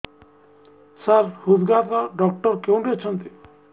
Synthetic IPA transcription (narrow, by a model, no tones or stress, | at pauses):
saɾhud̪ɡat̪ɔɖɔk̚ʈɔɾkew̃ɖet͡ʃʰɔnt̪i